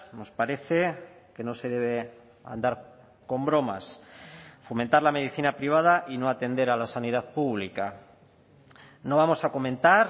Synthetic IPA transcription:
no̞spaɾe̞θe̞ke̞no̞se̞ð̞e̞β̞e̞ | a̰nd̪aɾ | ko̞mbɾo̞ma̰s | fo̞mẽ̞nt̪aɾlame̞ð̞iθinapɾiβ̞að̞aʔino̞at̪e̞nd̪e̞ɾalasanið̞aðpuβlika | no̞β̞amo̞sako̞mẽ̞nt̪aɾ

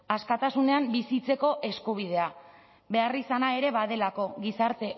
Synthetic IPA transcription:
askat̪asune̞ambisit͡se̞ko̞ʔe̞skuβ̞ið̞e̞a | βe̞arisanae̞ɾe̞βaðe̞lako̞ɣisaɾt̪e̞

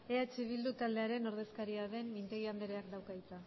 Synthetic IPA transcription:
e̞at͡ʃiβ̞ild̪ut̪ald̪e̞aɾe̞no̞ɾðe̞skaɾiaðe̞mmint̪e̞ɣ̞iand̪eɾeak̚d̪awkait͡sa

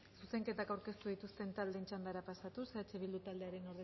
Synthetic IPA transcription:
suse̞ŋke̞t̪akawɾke̞st̪uð̞it̪ust̪e̞nt̪ald̪ent͡ʃand̪aɾapasat̪useat͡ʃeβild̪ut̪ald̪e̞aɾe̞no̞ɾðe

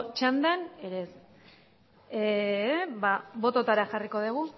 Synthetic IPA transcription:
t͡ʃand̪aneɾes | e | babo̞t̪o̞t̪aɾaxariko̞ðeɣ̞u

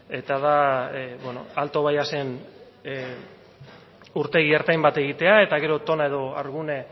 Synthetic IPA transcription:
e̞t̪að̞abweno̞̰alt̪o̞βajase̞n | uɾt̪e̞ɣieɾt̪ajmbat̪e̞ɣ̞it̪e̞ae̞t̪aɣe̞ɾo̞t̪o̞nae̞ðo̞a̰ɾɣune

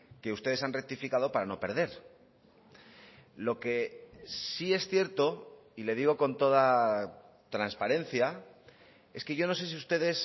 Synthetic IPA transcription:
ke̞ust̪e̞ð̞e̞sanrek̚t̪ifikað̞o̞paɾano̞pe̞ɾð̞e̞ɾ | lo̞ke̞sie̞sθje̞ɾt̪o̞ile̞ð̞iɣ̞o̞ko̞nt̪o̞ð̞a | t̪ɾanspaɾẽ̞n̟θja | e̞ske̞ʝo̞no̞se̞s̬iust̪e̞ðe̞s

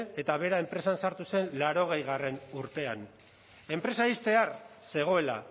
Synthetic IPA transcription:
e̞t̪aβ̞e̞ɾae̞mpɾesansaɾt̪use̞nlaɾo̞ɣ̞e̞jɣare̞nuɾt̪e̞an | e̞mpɾe̞saist̪e̞arse̞ɣ̞o̞e̞la̰

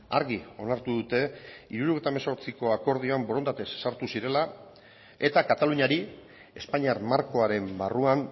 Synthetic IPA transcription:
a̰ɾɣio̞̰naɾt̪uðut̪e̞iɾuɾoɣejt̪amaso̞ɾt͡siko̞ako̞ɾð̞ioamboɾo̞nd̪at̪e̞sːaɾt̪usiɾe̞la | e̞t̪akat̪aluɲaɾi | e̞spaɲiaɾmaɾko̞aɾe̞mbaruan

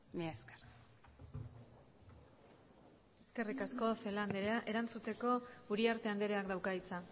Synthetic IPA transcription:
mieskḁɾ | e̞ske̞rikasko̞fe̞land̪eɾeaʔe̞ɾant͡sut̪e̞ko̞uɾiaɾt̪e̞and̪eɾe̞akd̪awkait͡sa

